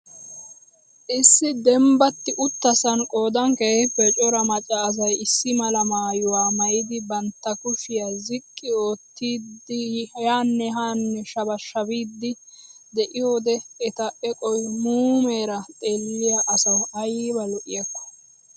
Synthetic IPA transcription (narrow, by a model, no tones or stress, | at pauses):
ʔɪsːɪd̪ɛmbɐt̪ːɪʔʊt̪ːɐsɐnkʼoːd̪ɐŋkepːɛt͡ʃʼɔɾɐmɐt͡ʃʼɐːs̬ɐjɪsːɪmɐlɐmaːjʊwaːmɐjɪd̪ɪbɐnt̪ːɐkʊʃɪjɐzɪkʼːɪoːt̪ːiːd̪ɪjaːnːɛɦaːnːɛʃɐbɐʃɐbiːd̪ːɪ | d̪ɛʔɪjoːd̪ɛɛt̪ɐʔɛkʼɔjmuːmeːɾɐt̪ʼeːlːɪjaʔɐsɐwɐjiːbɐlɔʔɪ̰jɐkːɐ̥